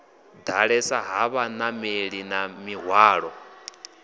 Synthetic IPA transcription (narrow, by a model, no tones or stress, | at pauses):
d̪aɺɛsaɦaβanameɺinamiɦwaːɺɔ